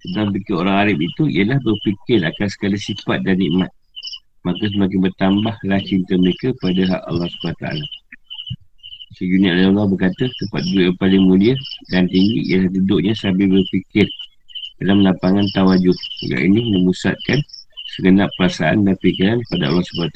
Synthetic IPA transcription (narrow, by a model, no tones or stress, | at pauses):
səbapikɪɾoɾaŋaɾap̚it̪uḭjəlahbərpikɪɾakansə̥kalisifat̪̚daniʔmat̪̚ | makəs̬əmak̬ɪŋbərt̪ambahlaht͡ʃint̪əməɾekəpadaɦa̰ʔɑ̰lːɑhsəbənat̪aʔa̰la | səd͡ʒuniaʔlaɑlːɑhbərkat̪ət̪əmpa̰t̪̚duəʔjapalɪŋmũliədant̪iŋɡḭʔjəlahdudʊʔɲasabibərpikɪr | dalamlapaŋant̪awad͡ʒʊd̪̰̚ɡa̰ʔḭnimə̃musa̰t̪̚kansəɡənaʔpːəɾasaʔa̰ndanpikiɾanəpadaɑ̰lːɑhsəbanat̪